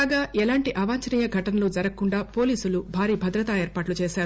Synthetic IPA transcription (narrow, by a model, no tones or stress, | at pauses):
aːɡaːʔɛlaːɳʈiʔɐʋaːɲt͡ʃɐniːjɐɡʱɐʈɐnɐlud͡ʒɐɾɐkːuɳɖaːpo̞ːliːsulubʱaːɾiːbʱɐd̪ɾɐt̪aːeːɾpaːʈlut͡ʃeːʃaːɾu